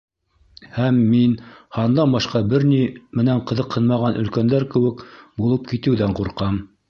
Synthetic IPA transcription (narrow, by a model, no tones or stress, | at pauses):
hæmːinhɑnd̪ɑnbɑʃqɑbɘɾnimɘ̆næɴqɤ̆ðɤqhɤ̆nmɑʁɑnʔɵ̆lkænd̪æɾkɘ̆wɘkbulˠɤp̚kit̪ɘ̆wðæɴquɾqɑm